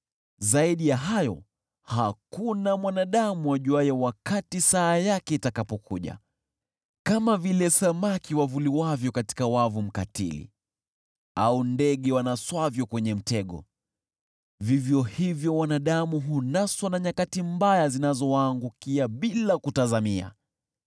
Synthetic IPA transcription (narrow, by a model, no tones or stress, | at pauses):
zaiɗijaɦajɔ | hakunamwanaɗamuaʄuajawakatisaːjakɛitakapɔkʰuʄa̰ | kamavilɛsamakiwavuliwavjɔkati̥kawavum̩katḭlḭ | aundɛɠɛwanaswavjɔkwɛɲɛm̩tɛɠɔ̰ | vivjɔhivjɔwanaɗamuɦunaswanaɲakatimbajazinazɔwaːŋɡukiaɓilakutazamia̰